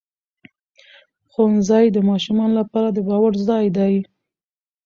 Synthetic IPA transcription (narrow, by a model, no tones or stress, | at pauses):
xonzɑjd̪əmɑʃumɑnlapɑɾad̪əbɑwaɽzd̪ɑjd̪aj